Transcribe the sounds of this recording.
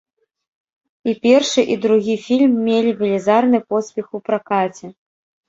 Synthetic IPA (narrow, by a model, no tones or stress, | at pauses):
ipʲɛrʂɨʔid̪ɾuɣʲifʲilʲmːʲelʲivʲilʲizarn̪ɨpɔspʲɛxupɾakat͡sʲɛ